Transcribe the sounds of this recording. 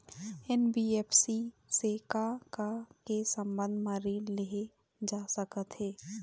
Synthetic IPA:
ɛːnbieːpʰsi | sekakakesə̃mbə̃nd̪ʱmãɾileɦe | d͡ʒaːsəkət̪ɦɛː

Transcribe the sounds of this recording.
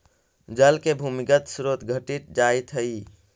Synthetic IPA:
d͡ʒəlkebʱuːmɪkət̪sɾot̪ɡʱəʈit̪̚d͡ʒaːit̪ʰɦəi

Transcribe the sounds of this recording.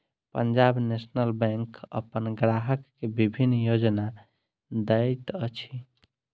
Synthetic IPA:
pəɲd͡ʒabnesnəlbɛ̃ŋkə̰pənɡɾaɦəkːebibʱinːjod͡ʒna | d̪ət̪ət͡ʃʰi

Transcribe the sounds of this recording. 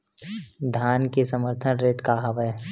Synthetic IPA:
d̪ʱjaːnkesɐməɾt̪ʰənɾeːʈkaɦɐʋɛ

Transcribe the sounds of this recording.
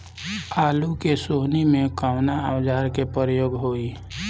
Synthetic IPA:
aːlukesoːɦnimẽkaʊnaawd͡ʒaːɾkepəɾəjoːɡɦoːi

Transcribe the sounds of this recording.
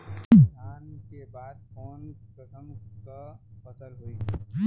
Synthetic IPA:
d̪ʱjaːnkebaːd̪̚kɔːnpɾəsə̃mkapʰəsəlɦoːiɡa

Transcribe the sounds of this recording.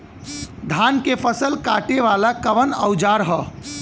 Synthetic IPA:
d̪ʱankepʰəsəlkaʈeʋalakəʋənəʊd͡ʒaɾɦə

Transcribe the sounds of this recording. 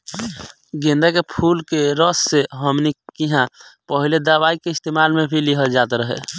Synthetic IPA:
ɡẽnd̪akepʰulkeɾəsːeɦəmnikiɦãpəɦiled̪abaikeɪst̪emalmebʰʱiliɦəd͡ʒat̪ɾəɦɛ̰

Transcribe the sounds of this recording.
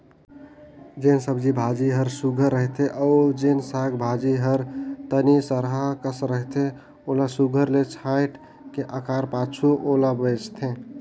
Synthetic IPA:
d͡ʒensəbd͡ʒibʱad͡ʒiɦəɾsuɡʱəɾːəɦt̪ʰeʔɔd͡ʒensaɡbʱad͡ʒiɦəɾt̪ənisəɾɦakəsɾəɦt̪ʰe | olasuɡʱəɾlet͡ʃʰajʈ | keʔəkaɾpat͡ʃʰuʔolabəd͡ʒt̪ʰẽ

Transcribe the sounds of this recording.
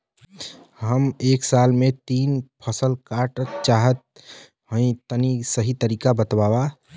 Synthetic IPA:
ɦəmeːksalmet̪iːnpʰəsəlkaʈət͡ʃaɦət̪̚ | ɦə̃ĩt̪ənisəɦit̪əɾikabət̪waːba

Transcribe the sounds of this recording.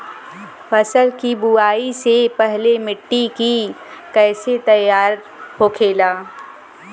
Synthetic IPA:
fɐsəlkibuaːisepɛɦlemɪʈːiki | kɛːset̪ɐjaːɾ | hoːkʰeːlaː

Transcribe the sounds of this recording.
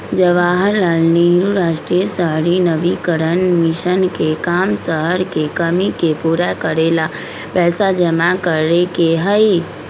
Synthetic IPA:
d͡ʒəʋaːɦəɾlaːlniɦɾuɾaːʃʈɾiəsəɦɾinəʋikəɾənmɪʃənkekaːmsəɦəɾkekəmikepuːɾakəɾeːla | pɛːsad͡ʒəmakəɾekeɦəi

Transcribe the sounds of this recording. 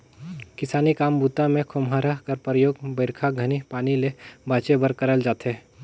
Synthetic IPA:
kɪsaːnikaːmbuːt̪ãmẽkʰʊmɦaɾakəɾpɾəjoːɡbəɪɾkʰaɡʱənipaːnilebaːt͡ʃebəɾkəɾəld͡ʒaːt̪e

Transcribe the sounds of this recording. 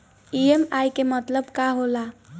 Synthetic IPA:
iemajkemət̪ləbkaɦola

